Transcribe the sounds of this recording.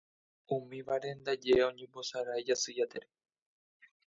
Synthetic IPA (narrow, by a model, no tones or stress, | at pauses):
umĩʋaɾe̞nd̪ad͡ʒeõɲẽmbo̞saɾaed͡ʒasɨjat̪eɾe̥